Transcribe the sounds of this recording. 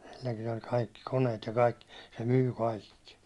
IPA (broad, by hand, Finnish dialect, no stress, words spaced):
silːækin olʲ kɑikːi koneːt jɑ kɑikːi se myː kɑˑikːi